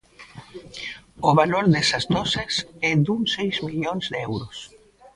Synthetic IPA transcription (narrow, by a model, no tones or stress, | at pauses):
oβaloɾðɛsɐzd̪ɔsesɛd̪uŋsejzmiʎonzðɛwɾos